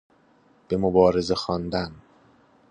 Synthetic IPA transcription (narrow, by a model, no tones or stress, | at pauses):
b̥e̞mobɒːɾe̞ze̞xɒnd̪æn